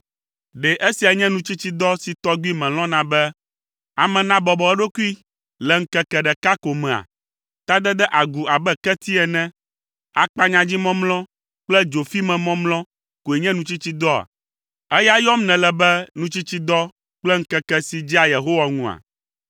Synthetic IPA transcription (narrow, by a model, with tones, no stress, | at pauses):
ɖɛ˨ʔe˦si˨a˨ɲɛ̃˦nũ˦t͡ɕi˦t͡ɕi˦d̪ɔ˦si˨t̪ɔ˦ɡi˦mɛ̃˨l̃ɔ̃˦nã˨bɛ˦ | a˨mɛ̃˨nã˦bɔ˨bɔ˨ɛ˦ɖo˦ku˦i˦ | lɛ˨ŋ̩˦kɛ˦kɛ˨ɖɛ˨ka˦ko˨mɛ̃˨a̰˨ | t̪a˦d̪ɛ˦d̪ɛ˦ʔa˨ɡu˨a˨bɛ˦kɛ˦t̪i˦ɛ˨nɛ̃˦ | a˨k͡pa˦ɲã˨d͡ʑi˦mɔ̃˦mlɔ̃˦ | k͡plɛ˦d͡ʒo˨fi˦mɛ̃˨mɔ̃˦mlɔ̃˦ | ko˨e˨ɲɛ̃˦nũ˦t͡ɕi˦t͡ɕi˦d̪ɔ˦a̰˨ | ɛ˦ja˦jɔ˦mnɛ̃˨lɛ˨bɛ˦nũ˦t͡ɕi˦t͡ɕi˦d̪ɔ˦ | k͡plɛ˦ŋ̩˦kɛ˦kɛ˦si˨d͡ʑi˦a˨je˨ɦo˦wa˨ŋũ˦a̰˨